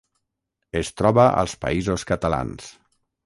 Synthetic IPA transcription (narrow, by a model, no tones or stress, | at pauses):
est̪ɾɔβəʔə̰lˠspa̰izoskət̪ala̰ns